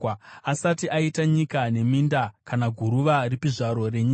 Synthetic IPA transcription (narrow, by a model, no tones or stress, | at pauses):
asatiʔaitaɲikane̞mindakanaɡʱuɾuʋaripiʐaɾo̞re̞ɲiːa